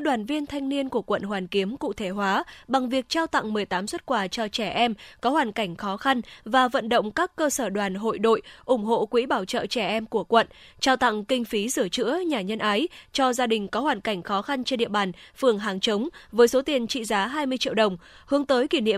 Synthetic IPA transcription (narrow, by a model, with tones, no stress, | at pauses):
ɗwaː˨˩nvi˧ənt̪ʰa˧jŋ̟ni˧ənku˧˩əkwə̰˧˨nɦwaː˨˩nki˨˦əmkṵ˧˨t̪ʰe˧˩ɦwaː˨˦ɓa˨˩ŋvi˨˩ək̚t͡ɕaː˧wt̪a̰˧˨ŋmɨ˨˩əjt̪aː˨˦mswə˦˥t̚kwaː˧˩t͡ɕɔ˧t͡ɕɛ˧˩ʔɛ˧mkɔ˨˦hwaː˨˩nka˧˩jŋ̟xɔ˨˦xa˧nvaː˨˩və̰˧˨nɗə̰˧˨wŋ͡mkaː˦˥kːəː˧səː˧˩ɗwaː˨˩nɦo̰˧˨jɗo̰˧˨jʔʊ˧˩ŋ͡mɦo̰˧˨kwḭ˧˥ɓaː˧˩wt͡ɕə̰ː˧˨t͡ɕɛ˧˩ʔɛ˧mku˧˩əkwə̰˧˨nt͡ɕaː˧wt̪a̰˧˨ŋkï˧ŋ̟fi˨˦zɨ˧˩ət͡ɕɨ̰˧˥əɲaː˨˩ɲə˧nʔaː˨˦jt͡ɕɔ˧zaː˧ɗï˨˩ŋ̟kɔ˨˦hwaː˨˩nka˧˩jŋ̟xɔ˨˦xa˧nt͡ɕɛ˧nɗḭ˧˨əɓaː˨˩nfɨ˨˩əŋɦaː˨˩ŋt͡ɕə˨˦wŋ͡mvəː˨˦jso˨˦t̪i˨˩ənt͡ɕḭ˧˨zaː˨˦ɦaː˧jmɨ˧əjt͡ɕḭ˧˨wɗə˨˩wŋ͡mhɨ˨˦əŋt̪əː˨˦jki˧˩nḭ˧˨ə˨